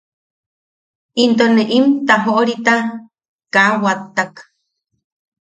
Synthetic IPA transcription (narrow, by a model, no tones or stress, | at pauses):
int̪oneʔimt̪aɦoʔɾit̪a | kawat̪ːak